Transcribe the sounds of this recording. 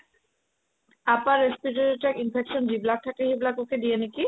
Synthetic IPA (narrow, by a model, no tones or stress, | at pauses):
apaɾːespiʈeɾiʈɛkinpʰekʃond͡ʑiblak̚tʰakeɦiblakokeɖieniki